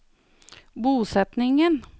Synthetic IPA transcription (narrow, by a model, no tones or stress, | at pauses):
buːsɛt̪nɪŋən